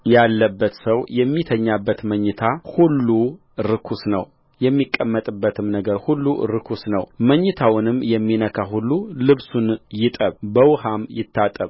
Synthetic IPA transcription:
jalːəbːət̪səwjɛmːit̪ʰəɲːabːət̪məɲːɨt̪ʰahulːu | ɾɨkʰusnəw | jɛmːikʼːəmːət̪ʼɨbːət̪ʰɨmnəɡəɾhulːuɾɨkʰusnəwməɲːɨt̪ʰawnɨmːjɛmːinəkʰaɦulːulɨβsunjɪt̪ʼəβbəwhamjɪt̪ʰːat̪ʼəβ

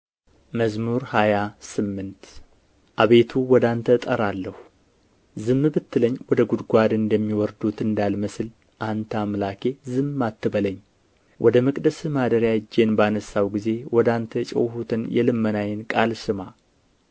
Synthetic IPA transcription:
məzmuɾhajasɨmːɨnt̪ | ʔaβe̞t̪ʰuwɔd̪ant̪ʰət̪ʼəɾalːəhu | zɨmːɨbɨt̪ːɨləɲːwɔd̪əɡud̪ɡʷad̪ɨnd̪əmːiwɔɾd̪ut̪ɨnd̪alməsɨl | ʔant̪ʰamlakʰe̞zɨmːat̪ʰːɨbələɲː | wʔɔd̪əmɨkʼd̪əsɨmad̪əɾjad͡ʒːe̞nbanəsawɡize̞wɔd̪ant̪ʰət͡ʃʼɛ̰whut̪ʰɨnjɛlɨmːənajɪnkʼalsɨma

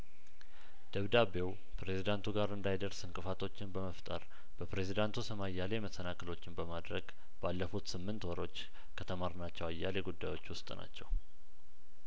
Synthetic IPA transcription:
d̪̥əβd̪abe̞w | pɾe̞zid̪ant̪ʰuɡaɾɨnd̪ajd̪əɾsɨŋkʼɨfat̪ʰo̞t͡ʃːɪnbəməft̪ʼəɾ | b̥əpɾe̞zid̪ant̪ʰusəmajːalemət̪ːənakʰəlo̞t͡ʃːɪnbəmad̪ɾəɡ | balːəfut̪sɨmːɨnt̪wɔɾo̞t͡ʃː | kʰət̪ʰəmaɾnat͡ʃːɛwajːaleɡud̪ːajo̞t͡ʃːwʊst̪ʼna̰t͡ʃːɛw

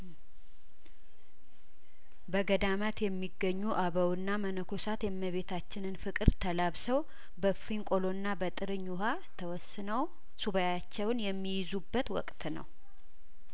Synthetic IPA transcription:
bəɡəd̪amat̪jɛmːiɡːəɲːuʔaβəwɨnːamənəkʰosat̪jɛmːəβe̞t̪ʰat͡ʃːɪnɨnfɨkʼɨɾt̪ʰəlaβsəw | bəfiŋkʼo̞lo̞nːabət̪ʼɨɾɨɲːuɦa | t̪ʰəwɔsːɨnəw | suβəjat͡ʃːɛwnjɛmːijɪzubːət̪wɔ̰kʼt̪nə̰w

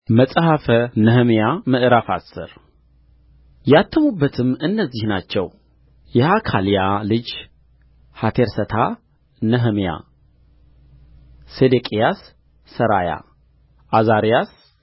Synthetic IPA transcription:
məsʼəhafənəɦəmjamɨʔɨɾafasːɨ̰ɾ | jat̪ʰːəmubːət̪ʰɨmːɨnːəzːihnat͡ʃːɛw | jɛʔakʰalijalɨd͡ʒ | hat̪ʰeɾsət̪ʰa | nəɦəmja̰ | sed̪ekʼijasː | əɾaja̰ | ʔazaɾijas

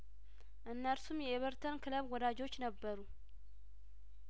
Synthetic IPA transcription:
ʔɨnːəɾsumjɛeβəɾt̪ʰənkʰɨləβwɔd̪ad͡ʒo̞t͡ʃːnəbːəɾu

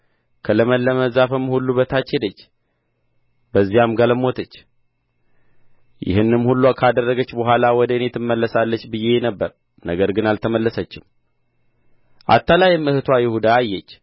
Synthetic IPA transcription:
kʰələməlːəməzafɨmːhulːubət̪ʰat͡ʃːhed̪ət͡ʃː | bəzːijamɡələmo̞t̪ʰət͡ʃː | jɪ̰hɨnːɨmhulːuakʰad̪ərːəɡət͡ʃːbəɦʷalawɔd̪ənet̪ʰɨmːəlːəsalːət͡ʃːbɨje̞nəbːəɾ | nəɡəɾɡɨnalt̪ʰəməlːəsət͡ʃːɪm | ʔa̰t̪ʰːalajɪmɨht̪ʰwajɪhud̪aːjːɛt͡ʃː

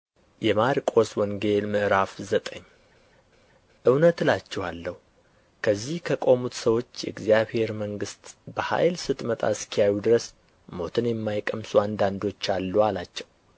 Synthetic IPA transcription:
jɛmaɾikʼo̞swɔŋɡe̞lmɨʔɾafzət̪ʼəɲː | ʔɨwnət̪lat͡ʃːɛwalːəhu | kʰəzːihkʰəkʼo̞mut̪səwo̞t͡ʃːjɛʔɨɡzijaβhe̞ɾməŋɡɨst̪bəha̰jlsɨt̪ʼmət̪ʼa̰skʰijajud̪ɨɾəs | mo̞t̪ʰɨnjɛmːajkʼəmsuand̪and̪o̞t͡ʃːalːualat͡ʃːɛw

